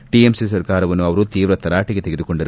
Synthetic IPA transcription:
ʈiemsisɐɾkaːɾɐʋɐnːuɐʋɐɾut̪iːʋɾɐt̪ːɐɾaːʈiɡe̞t̪eɡed̪ukoɳɖɐɾ

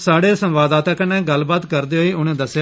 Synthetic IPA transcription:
saːɽeːsə̃mʋaːd̪aːt̪aːkənɛ̃ːɡəlbaːt̪kəɾd̪eːɦoiːʔʊñẽːd̪əsja

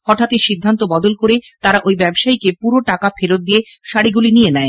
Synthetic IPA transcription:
hɔʈʰat̪eʃid̪ʱːant̪obɔd̪olkoɾet̪aɾaʔojbɛbʃaikepuɾoʈakafeɾot̪̚d̪ijeʃaɽiɡulinienɛe

